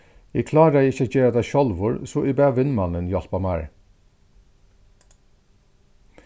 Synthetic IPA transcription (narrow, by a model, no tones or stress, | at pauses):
ɪkʰlɑːɾæɪɪçəd͡ʒeːəd̪æʃɔlʋʊɹsoːʔibæːʋɪnmɑnənjɑl̥pɑmæːɹ